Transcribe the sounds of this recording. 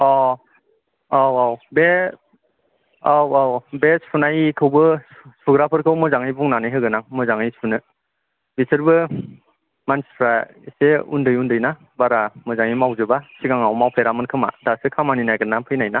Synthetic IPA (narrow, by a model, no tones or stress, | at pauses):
ɔ | awawbe | awawbesunajkʰɯwbɯsuɡɾapʰɯɾkʰɯwmɯzaŋɯjbuŋnanɯjɦɯɡɯnaŋmɯzaŋɯjsunɯ | bisʰɯɾbɯ | manspʰɾa | seṵndɯjundɯjna | baɾamɯzaŋimawzɯbasiɡaŋawmawpʰeɾamɯnkʰɯma̰dasɯkʰamaninajɡɯnːampʰɯjnajna